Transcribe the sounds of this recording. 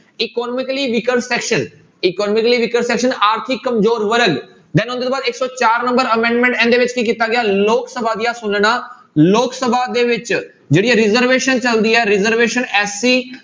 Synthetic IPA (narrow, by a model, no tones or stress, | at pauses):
ɪkɔːnɔmɪkəliːʋɪkəɾsɛːkʃən | ɪkɔːnɔːmɪkəliːʋɪkəɾsɛːkʃənaːɾt̪ʰɪkːəmzoːɾʋəɾəɡ | d̪ɛ̃ːnʊ̃nd̪eːoːbaːd̪ɪksɔːt͡ʃaːɾnə̃mbəɾəmẽːɳɖmɛ̃ɳʈɛ̃ːnd̪eːʋɪt͡ʃkiːkit̪aːɡɪaːloːksəbʱaːd̪ijaːsʊnɽ̃aː | loːksəbʱaːd̪eːʋɪt͡ʃ | d͡ʒeːɽiːɛɾɪzəɾʋeːʃənt͡ʃəld̪iːɛːɾɪzəɾʋeːʃənɛːsiː